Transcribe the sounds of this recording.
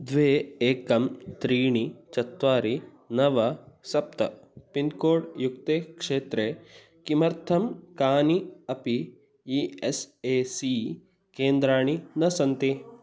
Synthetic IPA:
d̪ʋeːeːkɐmt̪ɾiːɳit͡ʃɐt̪ʋaːɾi | nɐʋɐsɐp̚t̪ɐ̰pinkoːɽjukt̪eːkʂeːt̪ɾe | kimɐɾt̪ʰɐmkaːniɐpi | ieseːsi | keːnd̪ɾaːɳinɐsɐnt̪i

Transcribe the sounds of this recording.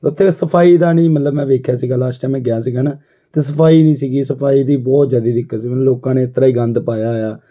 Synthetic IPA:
ʊt̪ʰːeːsəpʰaːiːd̪aːnĩːmət̪ləbmɛ̃ːʋeːkʰjaːsiːɡaːlaːʃʈãːmɛ̃ːɡɪjaːsiːɡaːnaː | t̪eːsəpʰaːiːnĩːsiːɡiːsəpʰaːiːd̪iːbɔːt̪d͡ʒaːd̪iːd̪ɪkːasiːmə̃loːkãːneːɪt̪ːəɾaːiːɡə̃nd̪paːjaːjaː

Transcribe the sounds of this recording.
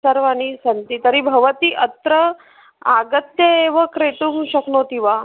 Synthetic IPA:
səɾʋañisɐnt̪it̪əɾibʱɐʋət̪iʔət̪ɾə | aɡət̪jəeʋəkɾeʈ̪umɕəknot̪iʋa

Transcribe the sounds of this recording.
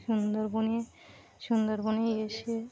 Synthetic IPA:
ʃund̪oɾboni | ʃund̪oɾbonejeʃe

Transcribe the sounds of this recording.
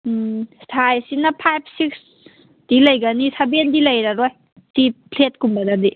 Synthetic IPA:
stʰajsinɐpʰajp̚ʰsiks | d̥ilajɡanisabendilɐjɾaɾoj | tip̚pʰlet̚kumbadadi

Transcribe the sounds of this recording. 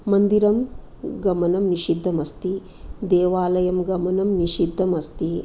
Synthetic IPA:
mɐnd̪iɾɐm | ɡɐmɐnɐmniʃid̪ʱːɐmɐst̪i | d̪eːʋaːlɐjɐmɡɐmɐnɐmniʃid̪ʱːɐmɐst̪i

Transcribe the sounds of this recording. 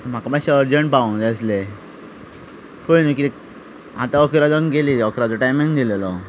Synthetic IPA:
m̤akamaɕaəɾd͡ʑəɳʈ̚paə̃ŋd̪əsle | koinəki | ɦat̪aɔkɾad͡zɔnɡeliɔkɾad͡zɔʈajmĩŋɡd̪ilelɔ

